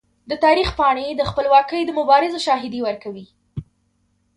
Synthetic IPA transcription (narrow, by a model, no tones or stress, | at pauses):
d̪ət̪ɑɾixpɑɽ̃ed̪əxpəlwɑkəjd̪əmʊbɑɾɪzoʃɑɦɪd̪iwəɾkawi